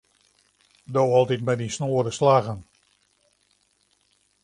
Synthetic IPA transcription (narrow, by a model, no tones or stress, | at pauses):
dowɑlˠtitmɛdinsnoːɾəslaɣən